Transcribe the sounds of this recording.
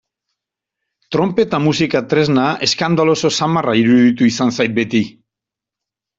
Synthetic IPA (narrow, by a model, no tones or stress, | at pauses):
t̪ɾo̞mpe̞t̪amusikat̪ɾe̞znaʔe̞skand̪alo̞so̞samaraiɾuðit̪uisansajt̪̚be̞t̪i